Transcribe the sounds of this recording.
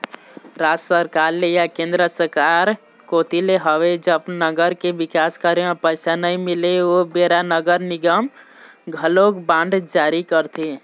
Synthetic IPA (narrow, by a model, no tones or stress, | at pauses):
ɾad͡ʒsəɾkaɾlejakẽnd̪ɾəsəɾkaɾ | kot̪ileɦəʋed͡ʒəbnəɡəɾkebikaskəɾepəɪsanəimileobeɾanəɡəɾniɡəm | ɡʱəlokbãɳɖd͡ʒaɾikəɾt̪ʰi